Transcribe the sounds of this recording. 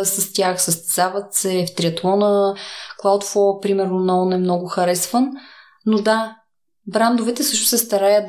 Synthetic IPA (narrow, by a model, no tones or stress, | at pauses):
səst̪ʲjaxsəst̪ɛzavət̪sɛft̪ɾʲiɐt̪lˠɔnəklˠawt̪fɔɾpɾimɛɾnonaɔnɛmnɔɡʊxɐɾɛsvənː | od̪a | bɾand̪ovɛt̪ɛsɤʃt̪ʊ̥sɛst̪ɐɾajət̪̚